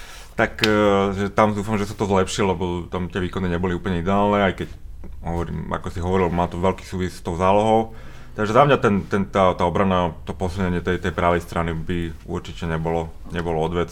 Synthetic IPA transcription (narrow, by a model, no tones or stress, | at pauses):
t̪akʒɛt̪amd̪uːfamʒɛsat̪ɔzlɛpʃillɛbɔt̪amt̪ɪɛʋiːkɔniɲɛbɔliuːpl̩ɲɛid̪ɛaːlnɛajkɛcɦɔʋɔɾḭːma̰kɔsiɦɔʋɔɾilmaːt̪ɔʋɛlki̥ːsuːʋisst̪ɔʊzaːlɔɦɔʊ | t̪aɡʒɛzamɲat̪ɛnt̪ɛnt̪at̪aːɔbɾanat̪ɔpɔsilɲɛɲɪɛt̪ɛjt̪ɛjpɾaːʋɛjst̪ɾanibiṵɾt͡ʃicɛɲɛbɔlɔ | ɲɛbɔlɔɔd̪ʋɛd͡z